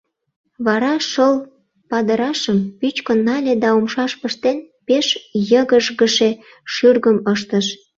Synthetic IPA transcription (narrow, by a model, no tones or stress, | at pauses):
βɑɾɑʃəl | pɑd̪əɾɑʃəmpyt͡ɕkənːɑlʲed̪ɑumʃɑʃpəʃt̪en | peʃjəɣəʒɣəʃe | ʃyrɣəməʃt̪əʃ